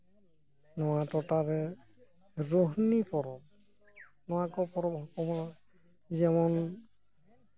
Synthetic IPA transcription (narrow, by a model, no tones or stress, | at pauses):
nɔwatɔtaɾɛ | ɾoɦnipɔɾɔb̚ | nɔwakɔpɔɾɔbɔkɔma | zɛmɔn